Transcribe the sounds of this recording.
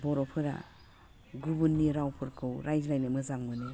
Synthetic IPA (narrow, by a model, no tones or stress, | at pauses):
bɔɾɔpʰɯɾa̰ | ɡubunːiɾawpʰɯɾkʰɯwɾʔajzɾajnɯmɯzaŋmɯni